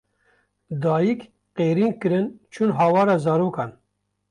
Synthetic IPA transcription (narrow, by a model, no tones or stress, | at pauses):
d̪ɑːjik | qeːɾiːnkɨɾɨnt͡ʃʰunɦɑːwɑːɾɑːzɑːɾoːkɑːn